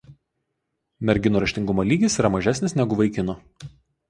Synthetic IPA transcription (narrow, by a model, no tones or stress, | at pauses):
mʲɛɾʲɡʲɪnuːɾɐʃʲt̪ʲɪŋɡʊmoːlʲiːɡʲɪsiːɾɐmɐʒʲæsʲnʲɪsnʲɛɡʊʋɐɪkʲɪnoː